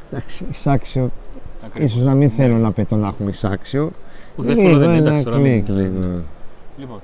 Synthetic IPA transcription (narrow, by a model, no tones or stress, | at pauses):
d̪̥ɐksi̥ːsɐksio | is̬oznɐminθe̞lonɐpet̪onɐxumeisɐ̰ksiolinoenɐkliklino